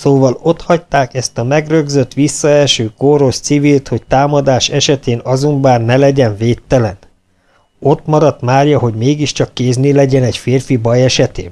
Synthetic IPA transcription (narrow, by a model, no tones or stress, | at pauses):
soːvɒlo̞t̪hɒct̪aːkɛst̪ɒmɛɡrø̞ɡzø̞t̪ʋisːɒɛlʃøːkoɾo̞ʃt̪sivilt̪ho̞ct̪aːmɒd̪aːʃɛʃɛt̪eːnɒzombaːnnɛlɛɟɛɱveːt̪ːɛlɛn | o̞t̪mɒɾɒt̪maːrjɒɦo̞ɟmeːɡiʃt͡ʃɒkːeːznelɛɟɛnɛcfeːrfibɒjɛʃɛt̪ḛːn